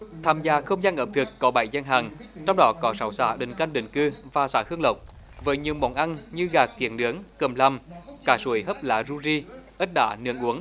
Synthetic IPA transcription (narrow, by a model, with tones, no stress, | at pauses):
t̪ʰaː˧mzaː˧˩xə˧wŋ͡mzaː˧nʔəː˨˧˩m̚t̪ʰɨ˨˩kkɔ˨˦ɓa˧˩jza˧ŋɦaː˨˩ŋt͡ɕɔ˧wŋ͡mɗɔ˨˦kɔ˨˦sa˨˦wsa̰ː˧˩ɗï˨˩ŋ̟ka˧jŋ̟ɗḭ˧˨˩ŋ̟kɨ˧vaː˨˩saː˧˩hɨ˧əŋlə˨˩wk͡p̚ | vəː˨˦jɲi˨˧˨əwmɓa˨˩wʔa˧nɲɨ˧ɣaː˨˩kːḭ˧˩ənɗɨ˨˦əŋkə˨˩mla˨˩mkaː˧˩su˧˩əjɦə˦˥p̚la̰ː˧˥zu˧zi˧ʔə˦˥t̚ɗa̰ː˧˩nɨ̰˧˦əŋʔu˨˦əŋ